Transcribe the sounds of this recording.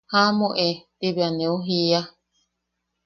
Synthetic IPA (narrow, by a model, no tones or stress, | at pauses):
hamõʔet̪iβeanẽuɦia